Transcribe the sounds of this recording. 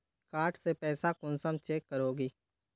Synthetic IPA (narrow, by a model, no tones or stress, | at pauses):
kaːɾʈsepɛːsakʊnsəmt͡ʃeːkːəɾoːɡiː